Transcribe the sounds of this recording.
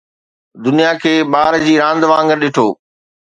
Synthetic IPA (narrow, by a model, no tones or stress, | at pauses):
d̪ʊnijakʰeːɓaːɾd͡ʑiːɾãːnd̪ʋãːŋɡəɾɗɪʈʰoː